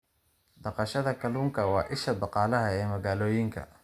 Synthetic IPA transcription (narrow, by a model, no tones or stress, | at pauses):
d̪ɑqɑʃɐðɐkʰɐluːŋkʰɐwɑːʔɪʃɐd̪ɑqɑːlɐɦɐɛːmɐɣaːlɔːjɪŋkʰɐ̰